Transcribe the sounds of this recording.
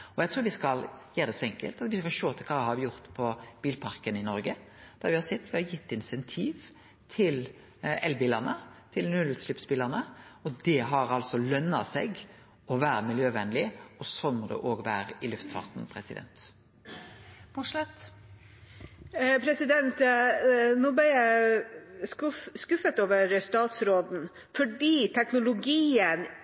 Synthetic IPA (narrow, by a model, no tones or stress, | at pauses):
ɔjæt̪ʰɾuːɾʋɪskɑljeːd̪ɛsɔːɛŋkə̰lt̪ɑt̪ʋɪskɑlʃoːt̪ʰɪlkʰɑːʋɪhɑɾʋɪjʊɾt̪pʰɔb̥iːlpʰɑɾkənɪnɔɾɡə | d̪̥æɾʋɪhɑsɛt̪ːʋɪhɑjɪt̪ːɪnsɛnt̪ʰiːʋ | t̪ʰɪl | ɛlbiːləʁnət̪ʰɪlnʉlslʉpsbiːləʁnəɔd̪ɛɦɑɾɑlsɔlœnːɑsɛɡ | ɔʋæːɾəmɪljøːʋɛnlɪɔsɔmɔd̪ɛ̰ʔoːɡʋæːɾəɪlʉft̪fɑ̰ʁt̪npʰɾɛsɪ̰d̪ɛ̰nt̪ | mɔʂlɛt̪ | pʰɾɛsɪd̪ɛnt̪ | noːbæjæɪ | skʉfət̪oːʋəɾst̪ɑːt̪sɾoːd̪n̩ | fɔɖiːt̪ʰɛknʊlʊɡiːən